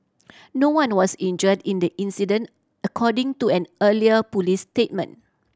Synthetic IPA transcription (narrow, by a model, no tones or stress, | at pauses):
nowãnwɔsĩnd͡ʒədĩndəʔĩnsidə̃n | əkʰɔdɪ̃ŋtuɛ̃nəliəpulistet̚mə̰̃n